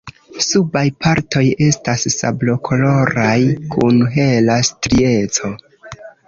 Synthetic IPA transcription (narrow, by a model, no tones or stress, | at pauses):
subajpʰaɾtʰo̞je̞stasːa̰blo̞kʰo̞lo̞ɾajkʰunɦe̞lastɾie̞t͡so̞